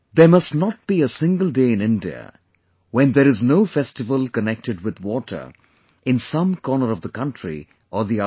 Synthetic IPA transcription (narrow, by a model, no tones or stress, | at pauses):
ðəmʌsnət̚b̥iəsɪ̃ŋɡəlˠdeɪɨ̃nɪ̃ndiə̰ | wɛ̃nd̪əɾɨznoʊfɛstɨvəlˠkənɛk̚tɨdwɨd̪wɔʈʰə̰˞ | ʔɪ̃nsʌ̃mkʰɔːnəɾʌvðəkʌ̃ntɹ̥ḭ | ʔəðiʌ